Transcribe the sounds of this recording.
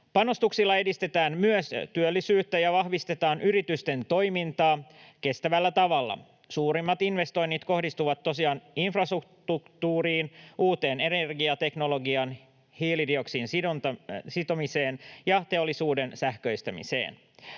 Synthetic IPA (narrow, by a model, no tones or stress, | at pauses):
pɑno̞st̪uksilːɑe̞dist̪e̞t̪æːnmyøst̪yølːisyːt̪ːæjɑʋɑhʋist̪e̞t̪ɑːnʔyɾit̪yst̪e̞nt̪o̞jmint̪ɑːke̞st̪æʋælːæt̪ɑʋɑlːɑ̰ | suːɾimːɑt̪inʋe̞st̪o̞jnːit̪ko̞ɦdist̪uʋɑt̪ːo̞siɑːninfrɑst̪ukt̪ukt̪uːɾiːnuːt̪e̞ːne̞nerɡiɑt̪e̞kno̞lo̞ɡiɑn | hiːlidio̞ksiːnsionsit̪o̞mise̞ːnjɑt̪e̞o̞lːisuːde̞nsæhkøjst̪ɑmḭsḛːn